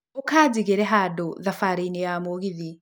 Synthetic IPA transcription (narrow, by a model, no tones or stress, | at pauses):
okaːd͡ʑiɣeɾɛɦaːdoðafaɾeinejamoɣiði